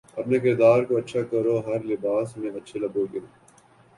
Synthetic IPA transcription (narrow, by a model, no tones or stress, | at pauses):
ɐpnek̬ɪɾd̪aːɾkoɐtːʃʰakɐɾoɦɐɾlɪbaːsmẽɐtːʃʰelɐboɡɪoː